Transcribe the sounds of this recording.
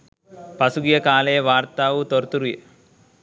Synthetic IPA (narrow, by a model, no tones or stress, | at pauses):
pɐsuɡijɐkaːleːʋaːɾt̪aːʋut̪oɾt̪uɾuje